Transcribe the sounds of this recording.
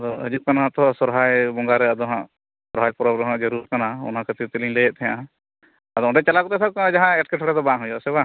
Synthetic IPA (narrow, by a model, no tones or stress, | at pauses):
d̪ɔəd͡ʒuʔ̪̚kanaɦãt̪ɔsɔɾɦajbɔŋɡaɾɛəd̪ɔɦã̰ʔ | sɔɾɦajpɔɾɔbɾɔɦãʔd͡ʒəɾuɾkanaɔ̰nɦãkʰət̪it̪eliɲlɛjɛʔt̪ʰɛjã̰ʔa | ad̪ɔɔ̃ʈɛt͡ʃalakut̪ɛt̪ʰakad͡ʒaɦãɛʈ̚kɛʈʰɔɽɛd̪ɔbãɦũjɔsɛba